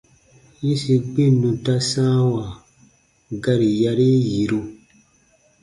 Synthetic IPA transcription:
ji˦si˨ɡ͡bĩ˦˨nːũ˨ta˦sãː˦wa˨ | ɡa˦ɾi˨ja˦ɾi˦ji˨ɾu˦

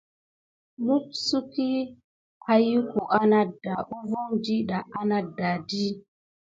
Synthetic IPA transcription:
mu˦p̚su˦ki˦ | a˦ju˦ku˨ʔa˦na˦da˨ʔu˦vo˦ŋdi˦ɗa˨ʔa˦na˦da˨di˦

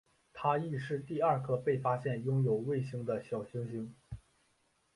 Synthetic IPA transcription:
t̪ʰa˥i˥˧ʂɻ̩˥˧t̪i˥˧ɐ˞˥˧kʰɤ˥˧pe˥˩ɪfa˥ɕjɛ˥˩njʊ˥ŋjo˨˩ʊwe˥˩ɪɕi˥ŋd̪ə˨ɕjɑ˨˩ʊɕi˥ŋɕi˧˥ŋ

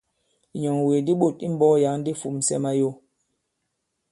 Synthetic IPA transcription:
ɲɔ˨ŋwe˨di˦ɓo˦˨ti˦m̩˦bɔ˦ja˨˦ŋn˦di˦fu˨msɛ̰˦ma˦jo˦

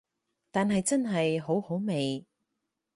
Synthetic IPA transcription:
t̪aː˨nɦɐ˨jt͡sɐ˥nɦɐ˨jɦo˨˥who˨˥wme˨j

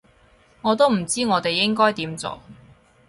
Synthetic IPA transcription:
ŋɔː˨˧t̪o˥wm̩˨˩t͡siː˥ŋɔː˨˧t̪e˨jːɪ˥ŋkɔː˥jt̪iː˨˥mt͡so̰˨˩

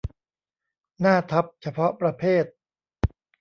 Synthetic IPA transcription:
naː˥˩t̪ʰa˦˥p̚t͡ɕʰa˧pʰɔ˦˥pɾa˧pʰeː˥˩t̪̚

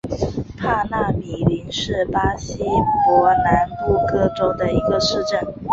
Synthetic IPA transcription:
pʰa˥˧na˥˩mi˨˩li˧˥ŋʂɻ̩˥˩pa˥ɕi˥pwɔ˧˥na˧˥npu˥˧kɤ˥˩ʈ͡ʂo˥ʊd̪ə˨i˧˥ɡə˧ʂɻ̩˥˧ʈ͡ʂə˥˩n

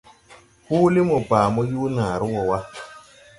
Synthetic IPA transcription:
huː˦li˦mu˨baː˨mɔ˦juː˦naː˨ɾu˦wɔ˨wa˦

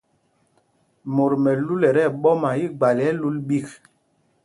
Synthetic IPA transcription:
mo˨ɾmɛ˨lu˦lɛ˨ɾɛ˦˨ɓɔ˦ma˨i˦ɡ͡ba˨lɛ˦lu˦lɓi˦˨k

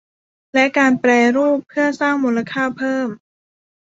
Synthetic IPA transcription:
lɛ˦˥kaː˧npɾɛː˧ɾuː˥˩pʰːɯ˥˩ɐsaː˥˩ŋmuː˧la˧kʰaː˥˩pʰɤː˥˩m

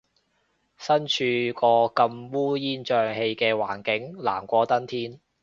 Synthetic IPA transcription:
sɐ˥nt͡ʃʰyː˧kɔː˧kɐ˧mwuː˥jiː˥nt͡ʃœː˧ŋhe˧jkɛː˧waː˨˩nkɪ˨˥ŋla̰ː˨˩mkʷɔː˧t̪ɐ˥nt̪ʰiː˥n

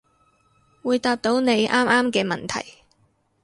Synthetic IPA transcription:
wuː˨˧jt̪aː˧p̚t̪o˨˥wne˨˧jʔaː˥mʔaː˥mkɛː˧mɐ̰˨˩nt̪ʰɐ̰˨˩j

